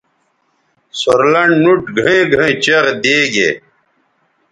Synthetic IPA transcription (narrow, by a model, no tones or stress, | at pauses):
soɾlɐɳɖnuʈɡʱɐẽːɡʱẽːt͡ɕeʁd̪eːɡḛː